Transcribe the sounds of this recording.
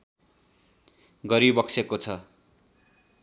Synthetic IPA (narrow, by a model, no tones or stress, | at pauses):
ɡʌɾibʌksekot͡sʰʌ